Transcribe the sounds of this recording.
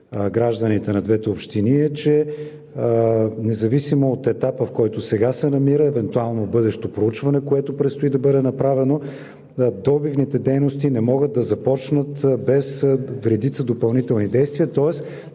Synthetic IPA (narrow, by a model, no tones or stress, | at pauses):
ɡɾaʒd̪ənit̪ɛnɐd̪vɛt̪ɛopʃt̪iniɛt͡ʃɛ | nɛzɐvisimoːt̪ɛt̪apəfkɔjt̪osɛɡasɛnɐmiɾəɛvɛnt̪ualˠnobɤd̪ɛʃt̪opɾout͡ʃvɐnɛkoɛt̪opɾɛt̪st̪ʊid̪ɐbɤd̪ɛnɐpɾavɛno | d̪ɔbivnit̪ɛd̪ɛjnost̪inɛmɔɡət̪̚d̪ɐzɐpɔt͡ʃnət̪bɛsɾɛd̪it̪səd̪opɐlˠnit̪ɛlˠnid̪ɛjst̪viɐt̪ɔɛs